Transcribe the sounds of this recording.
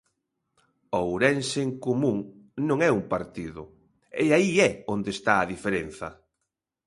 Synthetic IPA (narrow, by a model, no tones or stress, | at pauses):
owɾɛnseeŋkomũŋnõŋɛumpaɾt̪iðʊ | ɛ̰aiɛond̪est̪aːðifeɾen̟θɐ̰